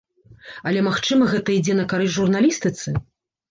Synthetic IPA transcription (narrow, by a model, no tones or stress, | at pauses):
ɐlʲɛmaxt͡ʂɨmɐɣɛt̪ɐid͡zʲɛnɐkaɾɨʐurnalʲist̪ɨt̪sɨ